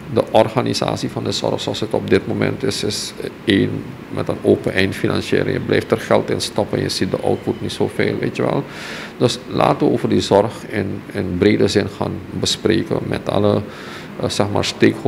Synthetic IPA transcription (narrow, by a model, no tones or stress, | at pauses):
dəʔɔrχaniza̰ːsivɑndəz̥ɔrχsɔlˠsətɔp̚dɪt̚momɛ̰ntɪsɪseːn | mɛtənoːpənʔɛjntfinɑnʃɪ̰ːlə̰ŋjə̰blɛjftərχɛlˠtɪnstɑpənjəz̥it̚dəʔɔwt̚putnitsofeːlʋejtjəʋɛ̰lˠ | dɵsla̰ːtəʋəoːvərdizɔrχɛnənbreːdəɹzɪnχaːnbəspreːkə̰nmɛtɑ̰lə | z̥ɛχmaːɹsteːk